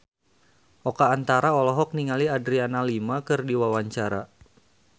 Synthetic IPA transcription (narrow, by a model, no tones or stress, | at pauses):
ʔɔkaːnt̪aɾaɔlɔɦɔk̚niŋaliadɾianalimakɨrdiwawaɲt͡ʃaɾa̰